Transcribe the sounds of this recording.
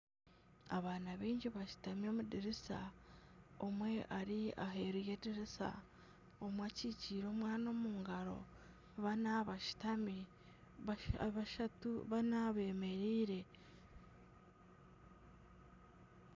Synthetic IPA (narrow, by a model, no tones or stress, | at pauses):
a̰βaːnaβiːɲɟiβaʃu̥tamjomudiɾisa̰ | omwe̞ʔaɾiʔaɦe̞ɾuje̞ːdiɾisa̰ | omwaciːciːɾo̞ːmwaːno̞ːmuːŋɡaɾo̞̰ | βanaβaʃtami | βaʃatuβanaβe̞ːme̞ɾiːɾe̞